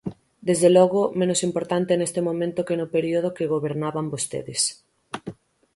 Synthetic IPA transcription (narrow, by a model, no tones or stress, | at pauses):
d̪ezðelɔɣomẽnosimpoɾt̪ant̪enest̪emõmẽnt̪okenʊpeɾioð̞okeɣoβeɾnaβambost̪ḛðes